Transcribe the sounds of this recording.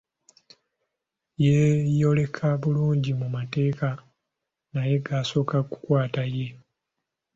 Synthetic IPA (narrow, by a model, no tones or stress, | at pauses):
jejo̞le̞kʰaβuluːɲɟimumate̞ːka | naje̞ɡaːso̞ːkaku̥kwaːtaje̞